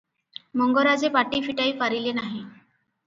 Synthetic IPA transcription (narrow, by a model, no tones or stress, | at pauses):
məŋɡɔɾad͡zepaʈifiʈaifaɾilenaɦẽ